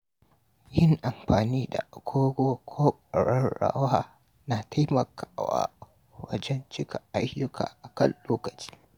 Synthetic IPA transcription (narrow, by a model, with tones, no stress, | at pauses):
jɪ˦ŋʔa˨mɸaː˨niː˦da̰˨ɡ̥ʷoː˦ɡʷoː˦kʰoː˦kʼɐ˨ɽɐ˦nɽa̰ː˦waː˨ | na˨tʰa˦jmɐ˨kʰaː˨wa̰ː˦ | wɐ˦d͡ʒɛ˦nt͡ʃɪ˦ka˨ʔa˦jʊ˦kʰa̰ː˨ʔa˨kɐ̰˦˨nloː˦kɐ˨t͡ʃi̥˦